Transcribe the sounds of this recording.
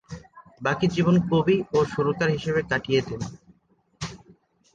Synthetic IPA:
bakiɾd͡ʑibonkobioʃuɾut̪aɾɦiʃeβet̪akijet̪en

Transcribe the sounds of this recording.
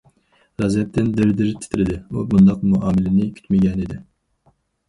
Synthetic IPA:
ɾɑzɛp̚t̪ɪnd̪ɪɾd̪ɪɾt̪ʰɪ̥t̪ʰɪɾɪd̪ɪubund̪ɑq̚muɑːmɪlɪnɪkʲʰy̥t̪mɪɡʲɛnid̪ɪ

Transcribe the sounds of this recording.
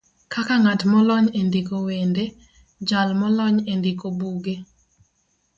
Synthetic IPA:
kakaŋatmɔlɔɲendikowende | d͡ʒalmɔlɔɲendikobuɡe

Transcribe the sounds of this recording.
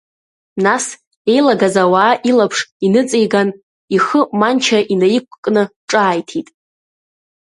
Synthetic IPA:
nas | e̞jlaɡazawaːʔilapʰʂinɨt͡sʼijɡan | iχəmant͡ʃʰaʔinajikʷʰʼkʼnɨʈ͡ʂʼaːjtʰitʼ

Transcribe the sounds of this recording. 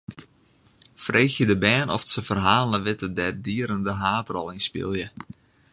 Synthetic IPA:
frʔeːxjədəbɛːnʔɔ̰fsəfərɦaːlnəʋɪtədɛdiəɾəndəɦaːtrɔlˠɪnspɪ̰lˠjə

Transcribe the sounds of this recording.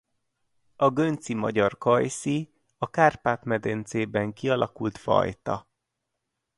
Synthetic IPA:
ɒɡønt̪simɒ̰ɟɒrkɒjsi | ɒkaːrpaːt̪mɛd̪ent̪seːbɛŋkiɒlʔɒkult̪fɒ̰jt̪ɒ̰

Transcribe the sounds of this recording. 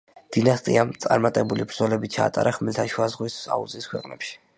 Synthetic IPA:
d̪̥inast̪ʼiamt̪sʼaɾmat̪ʼɛbulibɾd̪zɔlɛbit͡ʃʰa̰ːt̪ʼa̰ɾaχmɛlt̪ʰaʃuazʁwisa̰uzʼiskʰwɛqʼnɛ̰pʃi̥

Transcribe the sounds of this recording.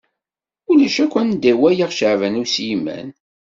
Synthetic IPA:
ulæʃækʷːænd̪æwæjiʁʃəʕvænusjimːæ̰n

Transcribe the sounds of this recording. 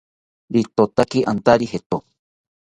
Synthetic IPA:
ɾit̪ot̪akiʔant̪aɾihet̪o

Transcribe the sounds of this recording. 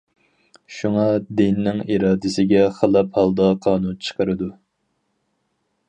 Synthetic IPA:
ʃuŋɑd̪ɪnɪnɪŋiɾɑːd̪ɪsɪɡʲɛχəlˠɑphɑlˠd̪ɑqʰɑːnunt͡ʃʰə̥qəɾɨd̪u

